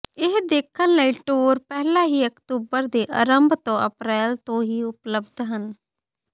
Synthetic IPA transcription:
ɪɦd̪eːkʰːənləiːʈuːɾpɛɦlãːɦiːəkt̪uːbəɾd̪eːʔə̰ɾəmbʱt̪õːʔə̰pɾɛːlt̪õːɦiːʊpləbd̪ɦən

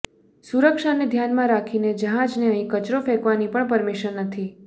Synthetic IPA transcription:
suɾəkʃaned̪ʱjanmãɾakʰined͡ʒəɦãd͡ʒneəɦĩkət͡ʃɾofɛkʋanipəɳpəɾmiʃənːət̪ʰi

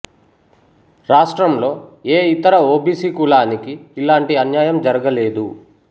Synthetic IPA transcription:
ɾaːʂʈɾɐmlo̞ːeːit̪ɐɾɐoːbiːsiːkulaːnikiːlaːɳʈiɐnjaːjɐmd͡ʒɐɾɐɡɐle̞ːd̪u

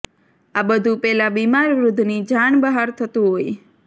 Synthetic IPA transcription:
abəd̪ʱũpɛlabimaɾːud̪ʱnid͡ʒaɳbəɦaɾt̪ʰət̪ũɦoj

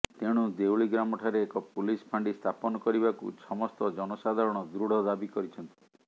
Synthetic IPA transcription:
t̪eɽ̃ud̪ewɭiɡɾamɔʈʰaɾeːkɔpulispʰaɳɖist̪ʰapɔnɔkɔɾiβakṵsɔmɔst̪ɔd͡ʒɔnɔsad̪ʱaɾɔɽ̃ɔd̪ɾuɽ̤ɔd̪abikɔɾit͡ʃʰɔnt̪i̥

